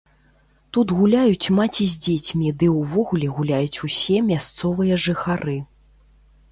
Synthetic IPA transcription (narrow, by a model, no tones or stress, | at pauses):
t̪ut̪ɣulʲajut͡sʲmat͡sʲizʲd͡zʲet͡sʲmʲid̪ɨwvɔɣulʲɛɣulʲajut͡sʲusʲɛmʲast̪sɔvɨjɐʐɨxaɾɨ